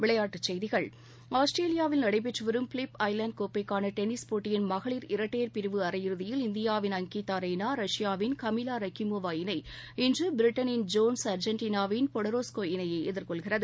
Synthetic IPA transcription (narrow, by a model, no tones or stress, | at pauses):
ʋɪɭɐjaːʈːɯt͡ʃːɛjðɪɣɐɭ | aːsʈɾeːlɪjaːʋɪlnɐɽɐɪp̬ɛʈrɯʋɐɾɯmfɪlɪpɐɪlɐɳɖ̚koːpːɐɪkːaːnɐʈɛnɪspoːʈːɪjɪnmɐɣɐɭiːɾɪɾɐʈːeːɾpɪɾɯʋɯɐɾɐjɪɾɯðɪjɪlɪnd̪ɪjaːʋɪnɐŋkiːt̪ːaːɾɐɪnaːɾɐʂɪjaːʋɪnkɐmɪlaːɾɐkimoːʋaːɪnɐɪ | ɪndrɯbɪɾɪʈːɐnɪnd͡ʒoːnsɐɾd͡ʒɐnʈiːnaːʋɪnpɔɽɐɾoːskoːɪnɐjɐɪɛðɪɾkɔɭɣɪrɐðɯ